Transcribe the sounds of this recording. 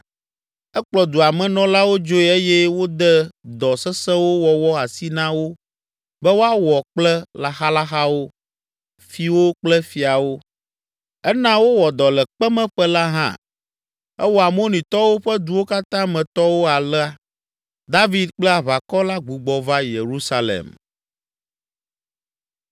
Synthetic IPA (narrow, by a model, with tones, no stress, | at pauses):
ɛ˦k͡plɔ˨d̪u˨a˨mɛ̃˨nɔ̃˦la˦wo˦d͡ʒo˦ɛ˦e˦jɛ˦wo˦d̪ɛ˦d̪ɔ˨sɛ˦sɛ̃˦wo˦wɔ˨wɔ˦a˨si˦nã˦wo˦ | bɛ˦wo˦a˦wɔ˨k͡plɛ˦la˨xa˦la˦xa˦wo˦ | fi˨wo˦k͡plɛ˦fi˨a˨wo˦ | ɛ˦nã˦wo˦wɔ˨d̪ɔ˨lɛ˨k͡pɛ˦mɛ̃˦ɸɛ˦la˦ɦã̰˦ | ɛ˦wo˦˨a˨mo˦nĩ˨t̪ɔ˦wo˦ɸɛ˦d̪u˦wo˦ka˦t̪ã˦mɛ̃˨t̪ɔ˦wo˦a˨lɛ˦a˦ | d̪a˦vi˨d̪k͡plɛ˦a˨βa˨kɔ˦la˦ɡ͡bu˨ɡ͡bɔ˨va˦je˨ɾu˦sa˦lḛ˨m